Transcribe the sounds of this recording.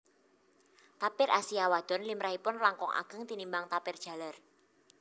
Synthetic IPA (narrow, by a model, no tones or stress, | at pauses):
t̪apɪrʔasiawad̪̥ɔ̤nlimɾaipʊnlaŋkɔŋʔa̰ɡ̥ə̤ŋt̪inimbaŋt̪apɪrd̥ʒ̥a̤lar